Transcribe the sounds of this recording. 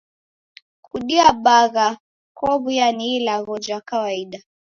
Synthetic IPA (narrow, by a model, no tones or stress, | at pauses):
kuɗiaɓaɣa | kɔβujaniːlaɣɔd͡ʒwakawaiɗa